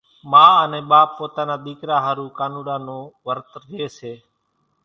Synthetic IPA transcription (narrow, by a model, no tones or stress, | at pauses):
mãːənẽːɓaːpːoːt̪aːnaːd̪iːkɾaːɦaːɾuːkaːnuːɗaːnõːʋəɾt̪ɾeːseː